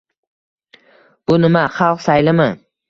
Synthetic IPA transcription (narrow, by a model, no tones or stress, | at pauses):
b̥ʊnɪmaχɑlˠqsajlɪmɪ